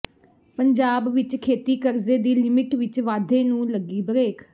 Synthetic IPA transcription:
pəɲd͡ʒaːbʋɪt͡ʃkʰeːt̪iːkəɾzeːd̪iːlɪmɪʈʋɪt͡ʃʋaːd̪ʱeːnũːləɡiːbəɾeːkʰ

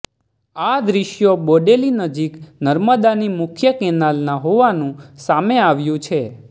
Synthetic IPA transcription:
ad̪ɾiʃjoboɖelinəd͡ʒiknəɾməd̪animʊkʰjəkɛnalnaɦoʋanũsameaʋjũt͡ʃʰe

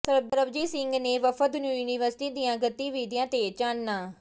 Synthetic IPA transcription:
səɾb̚d̪əɾəbd͡ʒiːsɪŋɡneːʋəfəd̪njuːjuːniʋəɾsɪ̥ʈiːd̪ijãːɡət̪ːiːʋiːd̪ijãːt̪eːt͡ʃaːnnaː

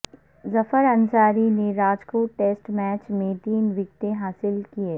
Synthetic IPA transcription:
zɐfəɾɐnsaːɾineɾaːd͡ʒkoːʈeːsʈmɛːt͡ʃmẽt̪iːnʋɪk̚t̪ẽɦaːsɪlkieː

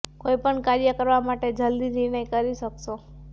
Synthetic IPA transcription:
koipəɳkaɾjəkəɾʋamaʈed͡ʒəld̪inɪɾɳəjkəɾiʃəkʃo

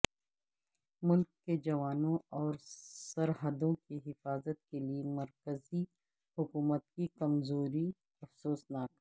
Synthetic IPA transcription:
mʊlkːed͡ʒɐʋaːnõɔːɾsɐɾɦəd̪õkiɦɪfaːzət̪̚keliemɐɾkəzi | hʊkuːmət̪̚kikɐmzoːɾi | ɐfsoːsnaːk

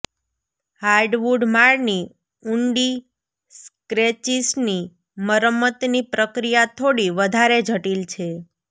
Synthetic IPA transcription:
haɾɖʋuɖmaɭni | uɳɖi | skɾet͡ʃisni | məɾəmːət̪nipɾəkɾijat̪ʰoɽiʋəd̪ʱaɾed͡ʒʱəʈilt͡ʃʰe

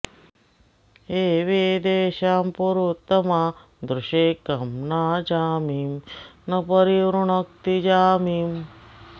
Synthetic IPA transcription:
eːʋeːd̪eːʃaːmpuɾut̪ːɐmaː | d̪ɾuʃeːkɐmnaːd͡ʒaːmimnɐpɐɾiɾuɳɐk̚t̪id͡ʒaːmiːm

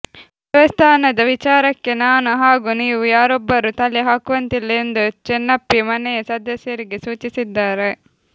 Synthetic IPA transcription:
ʋjɛʋɐst̪ʰaːnɐd̪ɐʋit͡ʃaːɾɐkːe̞naːnuɦaːɡuniːʋujaːɾobːɐɾut̪ɐleɦaːkuʋɐnt̪ilːnd̪ut͡ʃɛnːɐpːimɐnɛjɐsɐd̪ɐsjɐɾiɡesuːt͡ʃisid̪ːaːɾe

